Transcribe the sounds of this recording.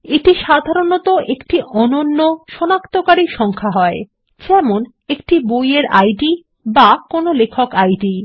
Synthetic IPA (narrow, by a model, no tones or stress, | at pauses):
eʈiʃad̪ʱaɾonot̪oʔekʈiʔɔnonːoʃɔnakt̪okaɾiʃɔŋkʰaɦɔe | t͡ɕɛmon | ekʈibojeɾa̰jɖi | bakonolekʰokajɖi